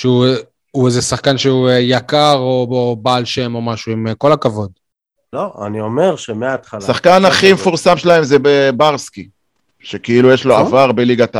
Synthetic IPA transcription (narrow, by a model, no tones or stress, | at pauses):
ʃeu | uezesaχkanʃeuejakaʁoobaːlʃe̞mo̞maʃuimko̞lakavo̞d̪ | loa̰niome̞ʁʃemeat̪χalssaχkanaχimefuʁsamʃelae̞mzebebaʁski | ʃe̞keilujeʃlo̞avaʁbeliɡat̪a